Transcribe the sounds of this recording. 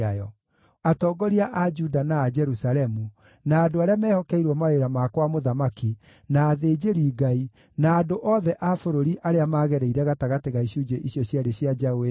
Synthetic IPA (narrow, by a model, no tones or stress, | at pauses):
ajɔ | atɔːɡɔɾiaʔad͡ʒudanaːd͡ʒɛɾusalɛmu | naːdoaɾeamɛːhɔkɛiɾwɔmaeɾamakwamoðamaki | naːðeːd͡ʒeɾiːɡai | naːdoʔɔðɛʔafoɾoɾiʔaɾeamaɣɛɾɛiɾɛɣataɣateɣaiɕud͡ʒeʔiɕjɔɕjaɾeɕjad͡ʒawe